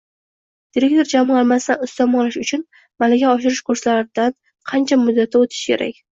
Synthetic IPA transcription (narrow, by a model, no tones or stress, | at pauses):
d̪̥iɾe̞kt̪ʰo̞ɾd͡ʒamalˠmast̪anʊst̪ɒmɒlaʃʊt͡ʃʰʊn | malaɡʲaɒʃɪɾɪʃkʰʊɾslaɾɪd̪̥an | qʰɑnt͡ʃʰamʊd̪ːat̪ʰːaot̪ʰɪ̥ʃkʲʰe̞̰ɾʔa̰kʲ